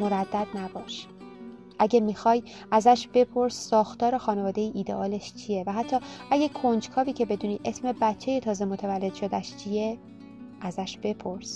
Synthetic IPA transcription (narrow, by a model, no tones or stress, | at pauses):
moɾæd̪ːæd̪̚næbɒːʃ | ʔæɟæmixɒːj | ʔæzæʃb̥e̞pʰo̞ɾsːɒːxt̪ɒːɾexɒːne̞vɒːd̪e̞jiʔiːd̪ḛʔɒːleʃt͡ʃʰijevæɦæt̪ʰːɒːʔæɟekʰond͡ʒkʰɒːviːcʰe̞be̞d̪uːniːʔe̞sme̞bætt͡ʃʰːe̞jet̪ʰɒːze̞mo̞t̪ʰævælːe̞d̪̥ʃod̪æʃt͡ʃʰije | ʔæzæʃb̥e̞pʰoɾs